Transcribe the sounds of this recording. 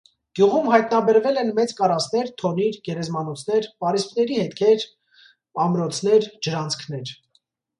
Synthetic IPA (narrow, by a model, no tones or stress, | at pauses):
ɡ̥juʁumɦɑjt̪nɑbɛɾvɛlɛnmɛt͡skɑɾɑsnɛɾt̪ʰɔniɾɡɛɾɛzmɑnɔt͡sʰnɛɾpɑɾispnɛɾihɛt̪kʰɛɾ | ɑmɾɔt͡sʰn̪ɛɾd͡ʒəɾɑnt͡sʰkʰnɛɾ